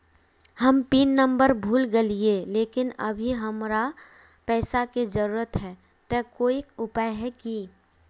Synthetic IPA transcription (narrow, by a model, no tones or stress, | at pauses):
həmpiːnːə̃mbəɾbʱuːlɡelieleːkɪnɐ̰bʱiɦɐmɾa | pɛːsaked͡ʒəɾuːɾət̪ɦɛː | t̪ɛkoːikʊpajɦɛki